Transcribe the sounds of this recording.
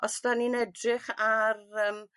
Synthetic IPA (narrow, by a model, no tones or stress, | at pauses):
ɔsdaninɛdrɪχarəːm